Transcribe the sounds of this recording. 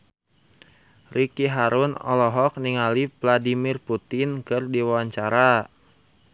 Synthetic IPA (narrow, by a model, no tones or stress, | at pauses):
rikiɦaɾunɔ̰lɔɦɔk̚niŋalivladimirput̪ɪnkɨrdiwawaɲt͡ʃaɾa